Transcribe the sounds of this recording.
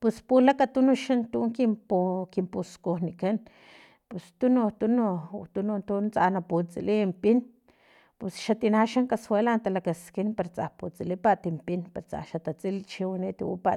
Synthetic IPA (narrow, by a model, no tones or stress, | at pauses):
pespulakat̪unoʃant̪uʔŋkimpokimpuskohnikan | pest̪unot̪unot̪unont̪unt͡sanaput͡sḭlimpin | pesʃat̪inaʃaŋkaswelant̪alakaskinpaɾt͡sa̰hput͡silipaʔt̪impinpaɾt͡sa̰ʃat̪at͡silt͡ʃiwanit̪ḭwṵpaʔ